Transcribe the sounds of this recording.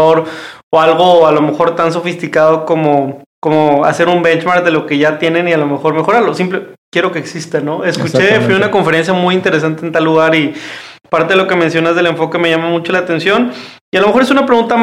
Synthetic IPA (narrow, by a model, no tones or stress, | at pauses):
oɾoalɣo̞alo̞me̞xo̞ɾt̪ans̬o̞fist̪ikað̞o̞ko̞moko̞moa̰se̞ɾumbe̞nt͡ʃmaɾk̚ðe̞lo̞ke̞ʝat̪je̞ne̞nialo̞me̞xo̞ɾme̞xo̞ɾaɾlo̞simple̞kje̞ɾo̞ke̞ːksist̪anoeskut͡ʃefwiunako̞ɱfe̞ɾe̞ns̬jamujint̪eɾe̞s̬ant̪eːnt̪alːuɣaɾipaɾt̪eðeloke̞mensjo̞nazðe̞le̞ɱfo̞ke̞me̞ʝamamut͡ʃo̞laːt̪e̞nsjo̞n | ialome̞xo̞ɾe̞s̬unapɾe̞ɣunt̪a